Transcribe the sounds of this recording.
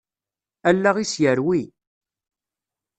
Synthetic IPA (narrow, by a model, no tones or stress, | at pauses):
ælːaʁisjəɾwi